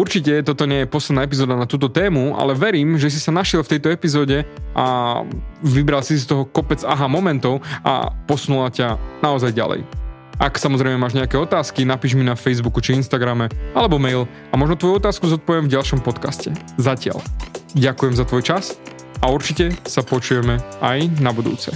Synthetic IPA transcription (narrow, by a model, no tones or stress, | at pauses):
uɾt͡ʃicɛt̪ɔt̪ɔɲɛjɛpɔslɛd̪naɛp̬izɔːd̪anat̪uːt̪̬ɔt̪ɛːmua̰lɛʋɛɾiːmʒɛs̬isanaʃɪɛlˠft̪ɛjt̪ɔɛpizɔːɟɛʔa̰ | ʋibɾalsisst̪ɔɦɔkɔpɛd͡zaɦamɔmɛnt̪ɔʊʔa̰pɔsnulacanaɔzajɟa̰lɛ̰j | ʔaksamɔzɾɛɪmɛmaːʒɲɛakɛɔt̪aːskinapiːʒminafɛjzbukut͡ʃiinst̪aɡɾamɛalɛbɔmɛjl | amɔʒnɔt̪ʋɔjuɔt̪aːskuzɔt̪̚pɔʋɪɛmvɟalʃɔmpɔt̪kascɛ | zacɪa̰lɟakujɛmzat̪ʋɔjt͡ʃas | auɾt͡ʃicɛsapɔt͡ʃujɛmɛʔajnabud̪ṵːt͡sɛ